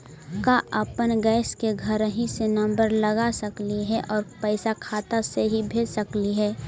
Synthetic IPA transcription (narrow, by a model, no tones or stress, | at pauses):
kaʔʔəpənɡɛːskeɡʱəɾɦĩsenə̃mbəɾləɡasəkliɦɛʔɔːɾpɛɪsakʰaːt̪aseɦibʱeːd͡ʒsəkliɦɛː